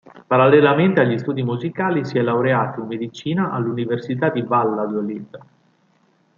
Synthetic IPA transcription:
paɾalːelament̪eaʎːist̪uːd̪imuzikaːlisiɛlːawɾeaːt̪oinmːed̪it͡ʃiːnaʔa̰lːuniversit̪ad̪ibalːad̪jolia

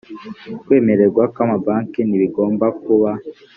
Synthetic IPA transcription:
kwe̞ːme̞ɾe̞ɾɡwakamabaːŋkiniβiɡo̞ːmbak̚uβa

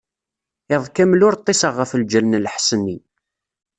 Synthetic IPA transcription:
ɪðˤkæmlʊɾt̪ˤːesəʁːəfəld͡ʒəlnəlħsənːi

